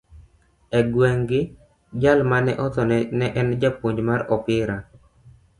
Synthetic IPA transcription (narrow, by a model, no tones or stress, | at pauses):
ɛɡwɛŋɡɪ | d͡ʒalmanɛʔɔt̪ɔnnɛʔɛnd͡ʒapoɲd͡ʒmarɔpɪɾa